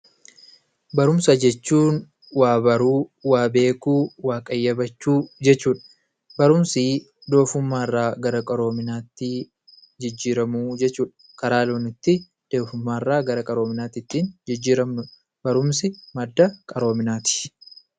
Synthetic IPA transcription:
bɐɾʊmsɐd͡ʒɛt͡ʃːuːn | waːbɐɾuːwaːbe̞ːkuːwaːkʼɐjːɐbɐt͡ʃːuːd͡ʒɛt͡ʃːuːᶑɐ̥ | bɐɾʊmsɪ | d̪o̞ːfʊmːaːɪrːaːɡɐɾɐkʼɐɾo̞ːmɪnaːt̪ːɪ | d͡ʒɪd͡ʒːiːɾɐmuːd͡ʒɛt͡ʃːuːᶑɐ̥ | kɐɾaːloːnɪt̪ːɪ | d̪̥o̞ːfʊmːaːɪrːaːɡɐɾɐkʼɐɾoːmɪnaːt̪ɪt̪ːiːnd͡ʒɪd͡ʒːiːɾɐmʊ | bɐɾʊmsɪmɐd̪ːɐkʼɐɾo̞ːmɪnaːt̪ɪ̥

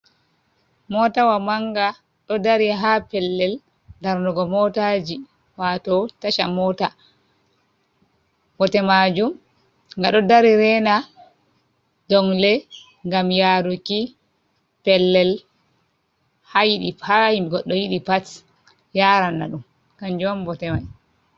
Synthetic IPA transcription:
mɔtawamaŋɡa | ɗɔdaɾiɦapɛlːɛl | daɾnɔɡɔmɔtad͡ʒi | watɔtaʃamɔta | wɔtɛmad͡ʒum | ŋɡaɗɔdaɾiɾɛna | dɔŋlɛ | ŋɡamjaɾuki | pɛlːɛl | hajiɗipaimɡɔɗːɔjiɗipat | jaɾanːa̰ɗum | kaɲd͡ʒmbɔtɛmaj

